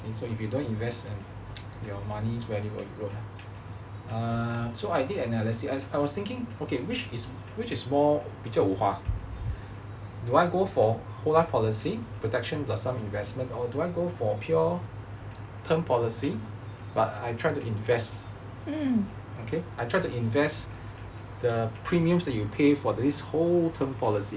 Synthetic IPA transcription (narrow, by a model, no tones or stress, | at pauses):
okʰesoifjudõntĩnvɛstɛ̃n | jɔmaniswɛjiɔ̰juɹo | asoajdidɛnɛləsiaajwɔst̪ɪ̃ŋkɪ̃ŋokʰewit͡ʃis | wit͡ʃismɔb̥it͡ʃəuha | duajɡofɔ | holaɪfpʰɔlisipʰɹotɛkʃə̃nblasãmĩnvɛsmə̃ntɔduajɡofɔpʰjɔ | tʰə̃mpʰɔlisi | batajtʰɹ̥ajtuʔĩnvɛst̩ | okʰeajtʰɹ̥ajtuĩnvɛs | d̥əpʰɹĩmiə̃msdɛt̚jupʰefɔdisholtʰə̃mpʰɔlisi